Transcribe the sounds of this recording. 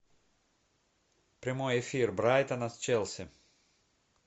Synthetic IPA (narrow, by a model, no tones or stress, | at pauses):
pɾʲɪmojɛfʲirbɾajt̪ɐnɐst͡ʃɛlˠsʲɪ